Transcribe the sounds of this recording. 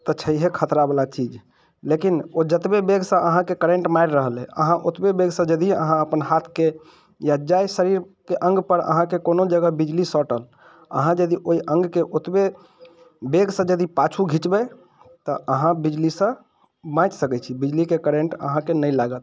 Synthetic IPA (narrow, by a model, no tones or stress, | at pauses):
t̪ət͡ʃʰəiɦekʰət̪ɾabəlat͡ʃid͡ʒ | lekinod͡ʒət̪bebeɡsə̃ʔəɦãkekəɾẽɳʈmaɾɾəɦəleə̰ɦãʔot̪bebeɡsə̃d͡ʒəd̪iə̰ɦãəpənɦat̪ʰke | jad͡ʒajsəɾiɾ | keʔə̃ŋɡpəɾə̰ɦãkekonod͡ʒəɡəbid͡ʒlisɔʈəl | ə̰ɦãd͡ʒəd̪iʔoiʔə̃ŋɡkeʔot̪be | beɡsə̃d͡ʒəd̪ipat͡ʃʰuɡʱit͡ʃbɛ | t̪əʔəɦãbid͡ʒlisə̃ | mãt͡ʃsəkɛt͡ʃʰibid͡ʒlikekəɾẽɳʈə̰ɦãkenəlaɡət̪̚